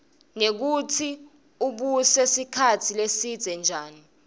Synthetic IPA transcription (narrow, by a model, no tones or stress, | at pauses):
nek̬utʰi | uɓusesikʰatʰilesid̥z̥ʱɛnd͡ʒʱaːni